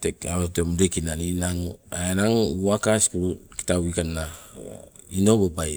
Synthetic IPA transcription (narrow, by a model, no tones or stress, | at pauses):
tekaβatomdekinaninaŋuenaŋuakasi̥kuɾuki̥tawikanːa | inobabaj